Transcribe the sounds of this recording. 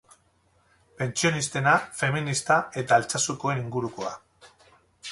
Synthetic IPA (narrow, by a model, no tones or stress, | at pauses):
pe̞nt͡sio̞nist̪e̞nafe̞minist̪ae̞t̪aːlt͡sasuko̞e̞niŋɡuɾuko̞a